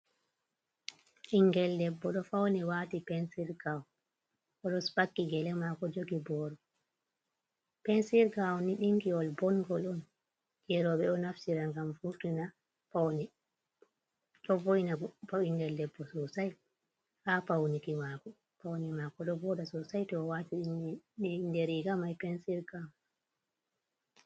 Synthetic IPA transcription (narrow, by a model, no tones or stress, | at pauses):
ʔiŋɡɛlːɛbːɔɗɔfawnɛwaːtipɛnsiɾɡaw | ʔɔɗɔsɓakːiɡɛlɛmakɔd͡ʒoɡibɔɗɔ | pɛnsiɾɡawɔniɗiŋkiɔlbɔŋɡɔlun | d͡ʒɛɾɔɓɛɗɔnafsiɾaŋɡamfutuna | pawnɛ | ɗɔvojnapawindɛldɛbːɔsɔsaj | hapawnikimakɔ | pawnɛmakɔɗɔbɔɗasɔsajtɔwatiɗ | ndeɾiɡamajpɛnsiɾɡaw